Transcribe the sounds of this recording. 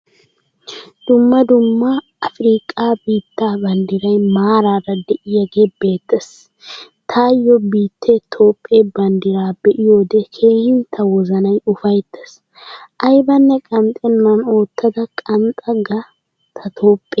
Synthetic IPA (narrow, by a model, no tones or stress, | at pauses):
d̪̥ʊmːɐd̪ʊmːɐ | ɐfɾiːkʼːaːbiːt̪ːaːbɐnd̪ɪɾɐjmaːɾaːrɐd̪ɛʔɪjɐɡebe̞ːt̪ːɐs | t̪ʰaːjːɔbiːt̪ːɛt̪ʰo̞ːpʼːebɐnd̪ɪɾaːbɛʔɪjo̞ːd̪ɛkʰe̞ːhɪnt̪ʰːɐwɔzɐnɐjʊfɐjt̪ʰːɛs | ʔɐjbɐnːɛkʼɐnt̪ʼɛnːɐno̞ːt̪ːɐd̪ɐkʼɐnt̪ʼɐɡɐ | t̪ʰɐt̪ʰo̞ːpʼːɛ